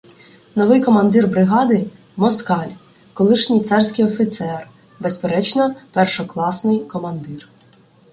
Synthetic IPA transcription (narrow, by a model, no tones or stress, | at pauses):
nɔʋɪjkɔmɐnd̪ɪrbɾɪɦɑd̪ɪ | mɔskɑlʲ | kɔlˠɪʃnʲijt̪sɑrsʲkɪjɔfʲit̪sɛr | bespeɾɛt͡ʃnɔpɛrʃɔklˠɑsnɪjkɔmɐnd̪ɪr